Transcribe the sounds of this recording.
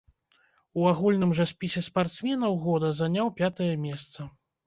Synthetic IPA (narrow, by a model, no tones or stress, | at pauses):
uaɣulʲnɨmʐɐsʲpʲisʲɛspart̪smʲɛnɐwɣɔd̪ɐzanʲawpʲat̪ɐjɐmʲɛst̪sɐ